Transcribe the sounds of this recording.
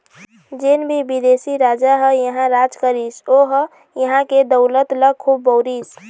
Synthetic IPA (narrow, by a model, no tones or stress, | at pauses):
d͡ʒenbʱibid̪esiɾad͡ʒaɦəjəɦãɾad͡ʒkəɾisoɦə | jəɦãked̪əʊlət̪ləkʰubːɔʊɾis